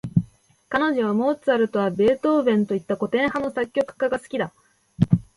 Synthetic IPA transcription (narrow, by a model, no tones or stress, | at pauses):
kanoʑoβ̞amo̞ːt͡sɨaɾɯ̟t̪o̞βabe̞ːt̪o̞ːbẽ̞nt̪o̞it̪ːako̞t̪ẽ̞ɰ̃hano̞sakʲːo̞kɯ̟̥kaɡasɨ̥kʲid̪a